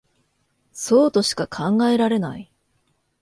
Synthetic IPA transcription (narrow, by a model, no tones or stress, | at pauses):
so̞ːt̪o̞ɕi̥kakʰãŋɡae̞ɾaɾe̞na̰i